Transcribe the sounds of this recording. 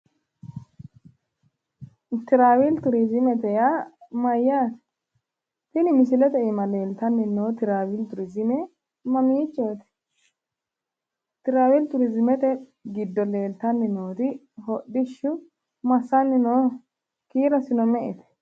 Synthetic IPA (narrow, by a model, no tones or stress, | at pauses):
t̪ɪɾaːwɪlt̪ʊɾɪzɪmɛt̪ɛjamɐjːaːt̪ɛ̥ | t̪ɪnɪmɪsɪlɛt̪ɛʔɪmɐle̞ːlt̪ɐnːɪnoːt̪ɪɾaːwɪlt̪ʊɾɪzɪmɛ | mɐmiːt͡ʃʼːoːt̪ɛ̥ | t̪ɪɾaːwɪlt̪ʊɾɪzɪmɛt̪ɛ | ɡɪd̪ːɔleːlt̪ɐnːɪnoːt̪ɪ | hɔɗɪʃːʊ | mɐsːɐnːɪnoː | kiːɾɐsɪnɔmɛʔɪ̰t̪ɛ̥